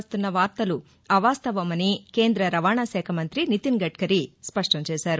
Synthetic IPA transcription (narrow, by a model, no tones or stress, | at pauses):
st̪unːɐʋaːɾt̪ɐlu | ɐʋaːst̪ɐʋɐmɐnike̞ːnd̪ɾɐɾɐʋaːɳaʃɛːkʰɐmɐnt̪ɾinit̪inɡɐʈkɐɾispɐʂʈɐmt͡ʃɛːʃaːɾu